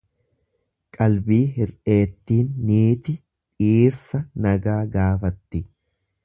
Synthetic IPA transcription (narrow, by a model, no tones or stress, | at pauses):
kʼɐlbiːɦɪɾʔe̞ːt̪ːiːnːiːt̪ɪ | ᶑiːɾsɐnɐɡaːɡaːfɐt̪ːɪ